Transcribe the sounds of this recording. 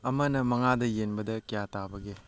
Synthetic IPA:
ɐmɐnɐmɐŋadɐjenbɐdɐkijatabɐɡe

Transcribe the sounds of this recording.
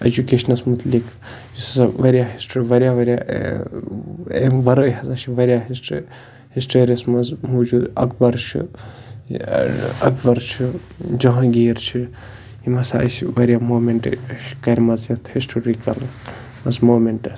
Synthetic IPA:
ɐ̰d͡ʒukeːʃɐnɐsmut̪lik | jissaʋɐɾʲjaɦisʈːɾiʋɐɾjaʋɐɾja̰ | eʋɐɾoːɦɐzat͡ʃʰiʋɐɾʲjaːɦisʈː | hisʈoːɾʲiɐsmɐzmuːd͡ʒuɐ̰k̚bɐɾt͡ʃʰḭ | ɐ̰k̚ʰbɐɾt͡ʃʰi | d͡ʒɐɦɐ̃ɡiːɾt͡ʃʰi | imɐsaɐ̰siʋɐɾjamoːmeɳʈʃkɐɾʲmɐzjɐt̪ʰhisʈoɾikɐl | mɐzmoːmeɳʈɐs

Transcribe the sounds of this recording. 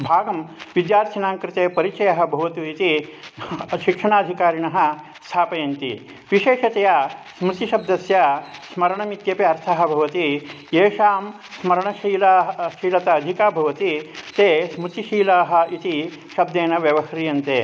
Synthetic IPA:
bʱaːɡɐmʋid̪jaːɾt̪ʰinaːŋkɾɪt̪eːpɐɾit͡ʃɐjɐɦɐ̆bʱɐʋɐt̪uit̪i | ʃikʂɐɳaːd̪ʱikaːɾiɳɐɦɐ̆ | st̪ʰaːpɐjɐnt̪ḭ | ʋiʃeːʃɐt̪ejasmɾut̪iʃɐb̚d̪ɐsjɐsmɐɾɐɳɐmit̪jɐpeɐɾt̪ʰaɦɐ̆bʱɐʋɐt̪i | eːʂaːm | smɐɾɐɳɐʃiːlaɦʃiːlɐt̪ɐːd̪ʱikaːbʱɐʋɐt̪it̪eːsmɾut̪iʃiːlaːɦɐ̆it̪i | ʃɐb̚d̪eːnɐʋjɐʋɐɦɾijɐnt̪eː

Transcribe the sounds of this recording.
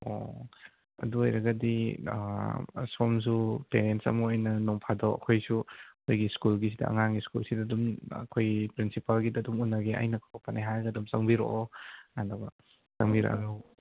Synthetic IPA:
o̰ | ɐ̰duojɾɐɡɐdi | soms̬upeɾentsɐ̰muojnɐnɔŋpʰadowɐ̰kʰojsuɐkʰojɡiskulɡis̬idɐ̰ɐ̰ŋaŋɡiskulsidɐdumɐ̰kʰojɡipɾinsipalɡidɐdumunːɐɡea̰jnɐkʰapanajɦajɐɡɐdumsɐŋbiɾo̰ʔoandabɐ | zɐŋbiɾa̰ɐ̰du

